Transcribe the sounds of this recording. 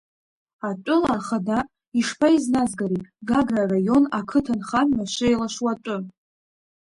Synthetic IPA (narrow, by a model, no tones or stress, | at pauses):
at͡ʃʷʼʊlaχada | iʂpʰaiznazɡaɾitʼɡaɡrarajo̞nakʰɨtʰanχanmaʃʷɪelaʃwat͡ʃʷʼʊ